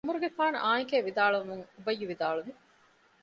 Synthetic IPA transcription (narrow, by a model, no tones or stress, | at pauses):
ɐmuɾuɡefaːnɐ̰ʔaːjikeːʋid̪aːɭuʋɐmuŋubɐjːuʋid̪aːɭuʋi